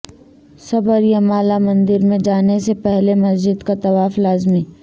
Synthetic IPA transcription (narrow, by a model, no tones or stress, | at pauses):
sɐbəɾjamaːlamɐ̃nd̪ɪɾmẽd͡ʒaːnesepɛɦlemɐsd͡ʒɪd̪kat̪ɐʋaːflaːzmiː